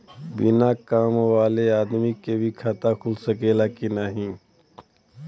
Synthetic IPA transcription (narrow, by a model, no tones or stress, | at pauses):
bɪnakaːmoaːleaːd̪mikebʱikʰat̪akʰʊlsəkeːlakinaɦĩː